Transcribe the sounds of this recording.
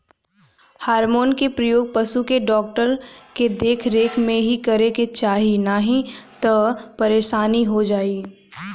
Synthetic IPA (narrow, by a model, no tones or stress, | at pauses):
haːɾmoːnkepɾɐjoːɡ̚pɐʃukeɖɔːk̚ʈəɾked̪eːkʰɾeːkʰmẽɦikɐɾeket͡ʃaːɦinaɦĩt̪ɔpɐɾeːʃaːniɦod͡ʒaːi